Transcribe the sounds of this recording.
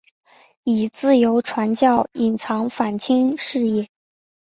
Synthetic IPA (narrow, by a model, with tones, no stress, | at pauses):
i˨˩t͡sɹ̩˥˩jo˧˥ʊʈ͡ʂʰwa˧˥nt͡ɕjɑ˥˩ʊi˨˩nt͡sʰɑ˧˥ŋfa˨˩nt͡ɕʰi˥ŋʂɻ̩˥˧ɛ˥˩